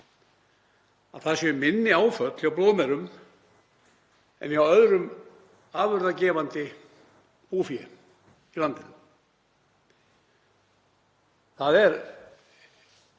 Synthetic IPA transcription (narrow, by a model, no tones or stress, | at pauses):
a̰θasʏmɪnːɪaːwfœt̪lawploːðmɛɾʏm | ɛ̰niawœðɾʏm | aːvœɾðacɛːvant̪ɪ | puːfjɛ | ilant̪ɪn | θaðɛɾ